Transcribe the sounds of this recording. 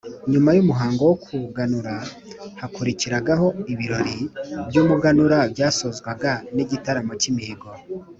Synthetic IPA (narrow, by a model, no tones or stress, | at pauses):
ɲumajumuɦaːŋɡowokʰuɡanuɾa | hakuɾiciɾaɡaho̞iβiɾo̞ɾibjuːmuɡanuɾabjaːsozɡwaɡaniɟitaɾamot͡ʃimihiɡo